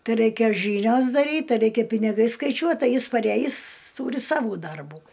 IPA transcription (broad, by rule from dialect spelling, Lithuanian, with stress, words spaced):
ˈtɐɪ ˈrɐɪkʲɛ ˈʒʲiːnʲoːs dɐˈrʲiːt ˈtɐɪ ˈrʲɛɪkʲɛ pʲɪnʲɪˈɡɐɪ skɐɪˈt͡ʃʲuɔt ˈtɐɪ ˈjɪs pɐˈrʲæjɪs tuːrʲɪ ˈsɑːʋuː ˈdɐrbuː